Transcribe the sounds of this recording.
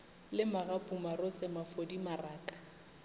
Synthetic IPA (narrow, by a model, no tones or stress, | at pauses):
lɪmaɣapʼumarɔt͡sʼɛmafodimaraːkʼḁ